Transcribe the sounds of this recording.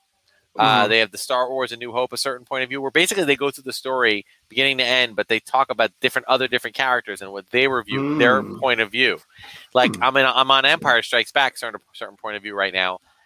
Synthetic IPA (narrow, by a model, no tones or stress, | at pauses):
ʔʌðeɪɨvðɨstɑɹɔɹzɨ̃nʉɦoʊpəsɜ˞ʔn̩pʰɔ̃ɪ̃ʌvjʉwə˞beɪsɨkliðeɪɡoʊθʉðɨstɔɹi | b̥ɨɡɪ̃ñɪ̃ŋtiɛ̃n̚bʌt̪̚ðeɪtʰɔkəbaʊt̚d̥ɪfɹɨ̃ntʌðə˞dɪfɹɨ̃nkʰæɹɨk̚tə˞zɨ̃nwʌt̪̚ðeɪwə˞vjʉðə˞pʰɔ̃ɪ̃ɾ̃ʌvjʉ | laɪkãɪ̃mɨ̃nãɪ̃mə̃nɛ̃mpʰaɪə˞stɹ̥aɪksb̥æksɜ̃˞nəsɜ˞ʔn̩pʰɔ̃ɪ̃ɾ̃ʌvjʉɹaɪtⁿna̰ʊ